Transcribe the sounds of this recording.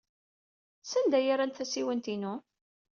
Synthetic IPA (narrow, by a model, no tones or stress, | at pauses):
sænd̪æjaɾænt̪θæsiwənt̪inu